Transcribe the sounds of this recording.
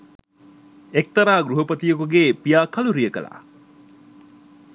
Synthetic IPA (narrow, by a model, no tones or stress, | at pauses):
ek̚t̪ɐɾaːɡɾuɦɐpət̪ijəkuɡeːpijaːkʰɐluɾijəkə̰la̰